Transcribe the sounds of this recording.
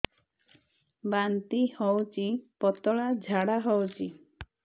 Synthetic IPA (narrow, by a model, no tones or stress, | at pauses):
bant̪ihɔwt͡ʃipɔt̪ɔɭad͡ʒʱaɽaɦɔwt͡ʃʰi